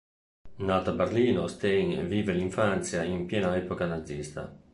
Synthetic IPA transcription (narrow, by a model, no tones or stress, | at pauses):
nat̪abeɾliːnost̪eŋviːveliɱfant̪sjaimpjɛːnaɛːpokanad̪zist̪a̰